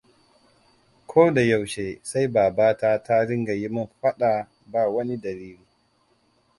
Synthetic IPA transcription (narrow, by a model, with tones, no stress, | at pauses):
kʷʰoː˦da˨ja˨wʃeː˨sa˦jbaː˨baː˦taː˦ta˦ɽɪ˦ŋɡa˨ji˦mʊ˦mɸɐ˦ɗa˨ | baː˨wɐ˦ni˦dɐ˨ɾiː˦luː˦˨˦